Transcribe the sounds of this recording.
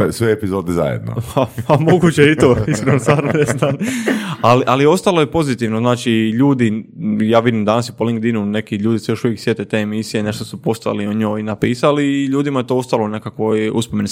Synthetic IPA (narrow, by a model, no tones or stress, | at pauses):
esʋeepizoːd̪iza̰jḛd̪̚no̰papamo̞ɡut͡ɕeit̪oiskɾenosaːɾonenaːt̪aliʔalio̞st̪alˠo̞jepo̞zit̪iʋnoznaːt͡ʃiʎuːd̪ijaːʋid̪imd̪anasjepoliŋɡ̚d̪inune̞kiʎuːd̪isejo̞ʃuʋjeksje̞t̪et̪eːemisijene̞ʃt̪osupo̞st̪oja̰lioɲo̞ːjinapiːsaliːʎuːd̪imaje̞t̪oo̞st̪alˠone̞kakʋojṵspomeni